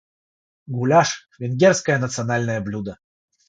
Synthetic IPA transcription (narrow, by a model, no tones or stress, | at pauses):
ɡʊlʲaʂvʲɪnɡʲerskəjənət̪sɨɐnalʲnəjəblʲud̪ə